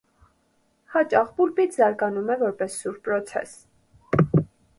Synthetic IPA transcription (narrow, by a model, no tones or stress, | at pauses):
hɑt͡ʃɑχbulpit͡sʰzɑɾkɑnumɛvɔɾpɛsːuɾpɾɔt͡sʰɛ̰s